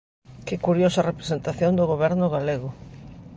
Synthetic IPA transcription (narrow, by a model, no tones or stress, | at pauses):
kɪkuɾjosɐrepɾesent̪aθjond̪ʊɣoβ̞ɛɾnʊɣaleɣʊ